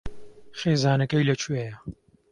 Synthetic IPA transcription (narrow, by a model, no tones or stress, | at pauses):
χeːzaːnɐkɐjlɐt͡ʃʰuejɐ